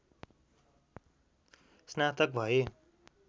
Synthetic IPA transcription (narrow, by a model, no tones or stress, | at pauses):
snat̪ʌk̚bʱʌje